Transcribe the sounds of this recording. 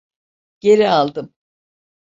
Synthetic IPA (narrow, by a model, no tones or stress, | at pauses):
ɟ̥e̞ɾialˠd̪ɯm